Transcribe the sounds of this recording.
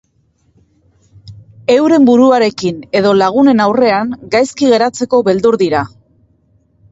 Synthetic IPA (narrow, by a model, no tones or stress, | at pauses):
e̞wɾe̞mbuɾuaɾe̞kine̞ðo̞laɣ̞une̞nawre̞aŋɡajskiɣe̞ɾat͡se̞ko̞βe̞ld̪uɾðiɾa